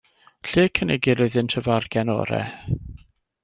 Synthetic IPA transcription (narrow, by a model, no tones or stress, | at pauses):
ɬeːkʰənɛɡɪɾɪɨðɪntʰəvarɡ̥ɛnɔ̰ɾɛ̰